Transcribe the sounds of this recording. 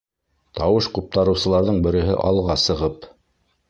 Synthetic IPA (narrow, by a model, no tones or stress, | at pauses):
t̪ɑwɤʃqŭp̚t̪ɑɾɤ̆wsɤ̆lˠɑɾðɤɴbɘ̆ɾɘ̆ɦɘ̰ʔɑlˠʁɑsɤ̆ʁɤp